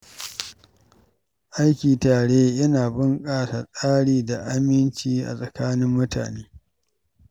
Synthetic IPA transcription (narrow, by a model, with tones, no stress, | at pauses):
ʔa˦jkʲiː˨taː˨ɽeː˦jɐ˦naː˨bɪ˦ŋkʼaː˦˨sa˨sʼaː˦ɽiː˨da˨ʔa˦mɪ˦nt͡ʃiː˦ʔa̰˨sʼɐ˨kaː˦nɪ˦mːʊ˦ta̰ː˨neː˦